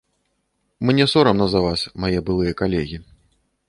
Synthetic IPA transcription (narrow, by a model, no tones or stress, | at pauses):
mɨnʲɛsɔɾɐmnɐzɐvasʲmajɛbɨlˠɨjɐkalʲɛɣʲi